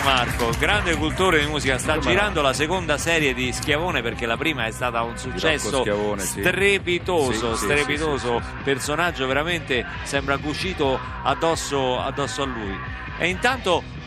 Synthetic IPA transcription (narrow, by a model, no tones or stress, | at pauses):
markoɡɾand̪ekult̪oːɾed̪imuːzikast̪ad͡ʒiɾand̪olasekond̪asɛːɾjed̪isk̟javoːneperk̟elːapɾiːmaɛst̪aːt̪aunsut͡ʃt͡ʃːɛsːoavonsst̪ɾepit̪oːzost̪ɾepit̪oːzo | personad͡ʒːoveɾament̪e | sɛmbɾakut͡ʃiːt̪o | ad̪ːɔsːoa̰d̪ːɔsːoalːuːj | ɛ̰int̪ant̪o